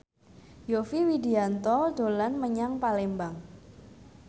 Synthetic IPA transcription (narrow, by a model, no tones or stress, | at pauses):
jofiwidiant̪ɔɖolanməɲaŋpalembaŋ